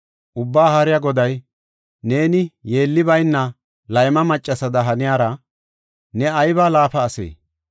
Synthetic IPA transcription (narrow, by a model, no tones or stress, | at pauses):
ʔʊbːaːhaːɾɪjaɡɔd̪ɐj | ne̞ːnɪje̞ːlːɪbɐjnːɐ | lɐjmɐmɐt͡ʃʼːɐsɐd̪ɐɦɐnɪjaːɾɐ | nɛɐjbaːlaːfɐːsḛː